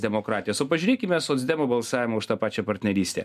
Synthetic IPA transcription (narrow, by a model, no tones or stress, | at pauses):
d̪ʲɛmoːkɾɑːt̪ʲɪjoːsoːpɐʒʲyɾʲeːkʲɪmʲɛsoːt̪zʲd̪ʲɛmobɐlˠsɑːʋʲɪmɐʊʃt̪ɑːpɑːt͡ʃʲɛpɐɾʲt̪ʲnʲɛɾʲiːsʲt̪ʲḛ